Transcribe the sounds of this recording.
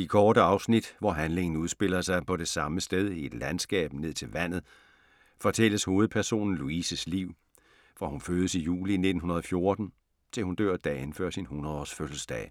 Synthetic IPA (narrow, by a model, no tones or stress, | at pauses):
ikʰɒːɾəɑ̈ʊsnid̥ʋɒɦænle̝ŋn̩uð̞ˠsb̥e̝l̰ɐsɑ̈ɪpʰɒ̽ɾe̝sɑ̈məsd̥eð̞ˠie̝d̥lænsɡ̥ɛ̰ːb̥ne̝ð̞̰ˠt͡sʰe̝lʋæn̰ð̩ˠ | fɒ̽t͡sʰel̰əsho̝ːð̩ˠpʰæɐso̝̰ːnn̩luisəsliʊ̰ | ʋɒhunføːðˠəsijṵːline̝d̥n̩ɦunɐðˠɒ̽fjo̝ɐd̥n̩ | t͡sʰe̝lhund̥ø̰ɐ̰d̥ɛ̰ːenføɐ̰sinhunɐðˠɒsføsl̩sd̥ɛ̰ː